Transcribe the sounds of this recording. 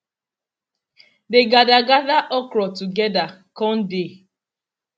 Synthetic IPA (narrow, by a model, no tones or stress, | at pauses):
deɡadaɡaðaʔɔkɾɔtuɡɛdakɔ̃n̩de